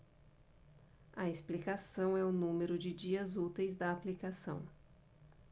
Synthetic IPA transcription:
ɐesplikasɐ̃w̃ɛʊnũmeɾʊd͡ʒɪd͡ʒiɐzut̪ejzd̪ɐːplikasɐ̃w̃

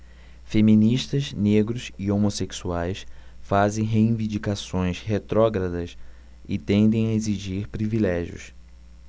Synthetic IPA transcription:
femĩniʃt̪ɐzneɡɾʊsiomoseksuajsfazẽj̃ɦeĩvĩnd͡ʒikasõj̃shet̪ɾɔɡɾɐd̪ɐs | ɪ̰t̪ẽnd̪ẽj̃ɐeziʒiɾpɾivilɛʒiʊ̰s

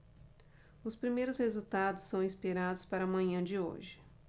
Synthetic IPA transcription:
ʊspɾimejɾʊshezut̪ad̪ʊsːɐ̃w̃ĩspiɾad̪ʊspaɾɐamɐ̃ɲɐ̃d͡ʒɪo̰ʒɪ

